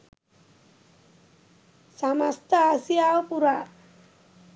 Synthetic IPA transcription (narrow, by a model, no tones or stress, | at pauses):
samast̪ʰaasijawpuɾa